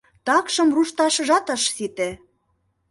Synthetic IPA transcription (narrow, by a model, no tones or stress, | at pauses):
t̪ɑkʃɤ̆mruʃt̪ɑʃɤ̆ʒɑt̪ɑʃsit̪ĕ